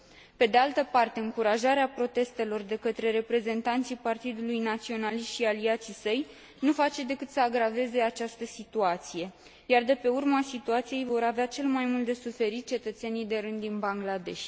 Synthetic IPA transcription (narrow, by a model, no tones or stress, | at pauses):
pe̞d̪ealt̪əpart̪e̞ɨŋkuɾaʒaɾeapɾo̞t̪e̞st̪e̞lo̞rd̪e̞kət̪ɾe̞ɾe̞pɾe̞ze̞nt̪ant̪sijpart̪id̪ulujnat̪sio̞naliʃtʃialiat̪sisəj | nufat͡ʃe̞d̪e̞kɨt̪səaɡɾave̞ze̞at͡ʃast̪əsit̪uat̪sije̞ | jard̪e̞pe̞urməasit̪uat̪sije̞jvo̞ɾaveat͡ʃe̞lmajmult̪d̪e̞sufe̞ɾit̪̚t͡ʃe̞t̪ət̪se̞nijd̪e̞ɾɨnd̪ːinbaŋɡlad̪e̞̰ʃʲ